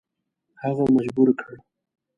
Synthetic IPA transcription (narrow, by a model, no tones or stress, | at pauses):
haɣamad͡ʒbuɾkʰəɽ